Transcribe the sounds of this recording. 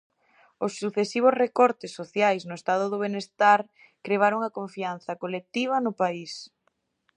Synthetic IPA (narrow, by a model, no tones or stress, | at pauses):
osːuθesiβ̞osrekɔɾt̪ɪsːoθjajznoʊest̪aðʊðʊβenest̪aɾ | kɾeβ̞aɾoŋɐkoɱfian̟θɐkolek̚t̪iβ̞ɐnʊpais